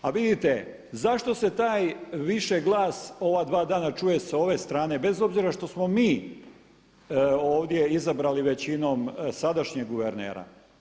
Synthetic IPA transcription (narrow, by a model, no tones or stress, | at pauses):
aʋid̪it̪e̞ | zaʃt̪o̞se̞t̪aːjʋiʃeɡlˠaːso̞ʋad̪ʋaːd̪aːnat͡ʃuːje̞sao̞ʋe̞st̪ɾaːne̞be̞zo̞bziɾaʃt̪o̞smo̞miː | o̞ːʋd̪je̞izabɾaliʋe̞t͡ɕino̞msad̪aʃɲeɡɡuʋeɾnḛːɾa̰